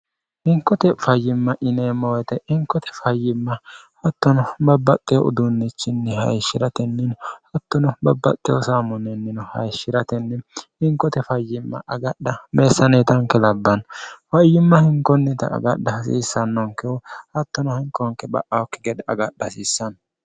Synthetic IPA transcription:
hɪŋkːɔt̪ɛfɐjːɪmːɐʔɪneːmːɐwɔjt̪ɛʔɪŋkːɔt̪ʰɛ̥fɐjːɪmːɐhɐt̪ːɔnɔbɐbːɐt̪ʼːɛjɔʔʊ̰d̪ʊnːɪt͡ʃːɪnːɛhɐ̰jʃːɪɾɐt̪ɛnːɪnhɐt̪ːɔnɔbɐbːɐ̰t̪ʼːɛɔsaːmɔnɛnːɪnɔhɐ̰jʃːɪɾɐt̪ɛnːɛɪŋkːɔt̪ɛfɐjːɪmːɐ̰ʔɐɡɐɗːɐmeːsːɐneːt̪ɐŋkːɛlɐbːɐnfɐjːɪmːɐhɪŋkɔnːɛt̪ɐ̰ːɡɐɗːɐsḭːsːɐnːɔŋkɛwɔhɐt̪ːɔnɔhɪŋkːɔŋkːɛbɐ̰ʔɐwɔkːɪɡɛd̪ɛʔɐɡɐɗːɐsiːsːɐn

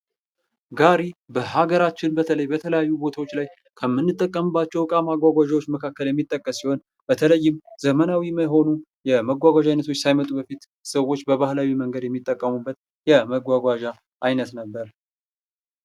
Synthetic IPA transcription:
ɡaɾibəhaɡəɾat͡ʃːɪnbət̪ʰələjbət̪ʰələjajːubo̞t̪ʰawot͡ʃːlaj | kʰəmːɨnːɨt̪ʼːəkʼːəmɨbːat͡ʃːɛwkʼamaɡʷaɡʷaʒawot͡ʃːməkʰakːəljɛmːit̪ʼːəkʼːəsːiho̞n | b̥ət̪ʰələjːɪmz̥əmənawiməɦo̞nu | jɛməɡʷaɡʷaʒajnət̪ʰo̞t͡ʃːsajmət̪ʼubəfit̪ | səwo̞t͡ʃːbəβahlawiməŋɡəd̪jɛmːit̪ʼːəkʼːəmubːət̪ | jɛməɡʷaɡʷaʒa | ʔajnət̪nəbːəɾ

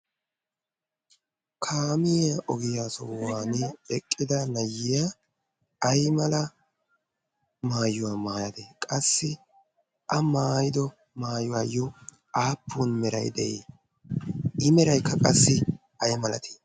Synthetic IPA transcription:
kʰaːmɪjaʔɔɡɪjaːsɔ̰waːnɪɛkʼːɪd̪ɐnɐjːɪja | ɐjmɐlɐ | maːjʊwaːmaːjɐd̪ekʼɐsːɪ | ʔɐmaːjɪd̪ɔ | maːjʊwaːjɔ | aːpːuːnmɛɾɐ̰jd̪ɛ̰ʔḛː | ɪmɛɾɐjkːɐkʼɐsːɪ | ɐjmɐlɐ̰t̪i̥

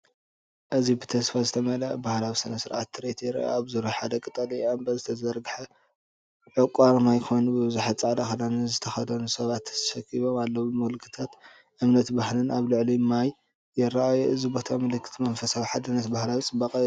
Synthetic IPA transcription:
ʔɨzibɨt̪ʰɐsfazɨt̪ʰɐmɐlaʔbahlawisɐnɐsɨɾʕat̪ːɨɾet̪ʰjɛɾa̰ʔa̰aβzuɾuħad̪ɐkʼɨt̪ʼɐliambɐzɨt̪ʰɐzɐɾɡɨħɐ | ʕɨkʼaɾmajkʰo̞jnubɨβɨzaħat͡sʼaʕd̪axɐd̪anizɨt̪ʰɐxɐd̪ɐnusɐβat̪ːʰɐ̥t̪ɐ̥ʃɐkʰːiβo̞malːɐwubɨmulkʰɨ̥t̪ʰat̪ | ʔɨmnɐt̪bahlɨnaβlɨʕlimaj | jɛɾaʔajuʔɨzibo̞t̪ʰamɐlɨkʰːɨ̥t̪ʰmɐnfɐsawiħad̪ɨnːɐt̪bahlawit͡sʼɨbːɐkʼɐ

